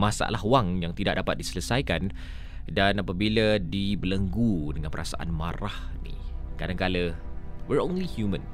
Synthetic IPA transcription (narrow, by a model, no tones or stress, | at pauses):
mãsa̰ʔlahoaŋjaŋt̪idaʔ̚dapat̪̚disələsajkan | danapabilədibələŋɡudəŋanpəɾasaʔa̰nmaɾahnḭkadaŋkaləwiɹõnlihjumə̃n